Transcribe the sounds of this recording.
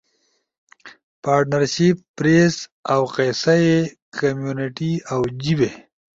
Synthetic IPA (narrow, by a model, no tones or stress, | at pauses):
paːɾʈnaɾʃipːɾesawqesaje | kʰamjuniʈiawd͡ʑibe